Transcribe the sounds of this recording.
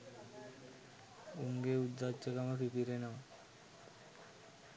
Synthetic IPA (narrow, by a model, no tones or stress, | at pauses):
uŋɡeud̪ːat͡ɕekamapipiɾenam